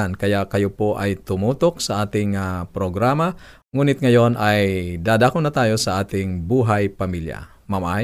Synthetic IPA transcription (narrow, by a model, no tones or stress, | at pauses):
ankɐjaʔkɐjopo̞ʔɐjt̪ʊmuːt̪ok̚sɐʔaːt̪ɪŋapɾoɡɾaːmɐ | ŋuːnɪt̪̚ŋɐjo̞nʔɐjd̪aːd̪aːkonɐt̪aːjo̞sɐʔaːt̪ɪŋbuːɦɐjpɐmilja̰ | mamʔa